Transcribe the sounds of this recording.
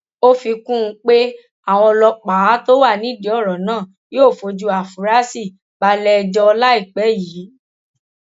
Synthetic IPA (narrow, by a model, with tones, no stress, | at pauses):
o˦fi˧kũ˦˧k͡pe˦ | a˦˨w̃ɔ̃˧lɔ˧k͡pa˨˦to˦wa˦˨nĩ˦di˨˦ɔ˦˨ɾɔ̃˨˦nãː˦˨ | joː˦˨fo˧d͡ʒu˧˦a˨fu˨˦ɾa˦si˦˨ | ba˧˦lɛ˧d͡ʒɔ˧ɔ˧la˦i˦˨k͡pɛ˨˦ji˨˦